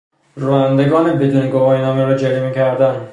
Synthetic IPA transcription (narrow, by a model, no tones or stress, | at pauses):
ɾuænd̪eɡɒːnebed̪uːneɡovɒːjenɒːmeɾɒd͡ʒeɾimiːcʰæɾd̪æn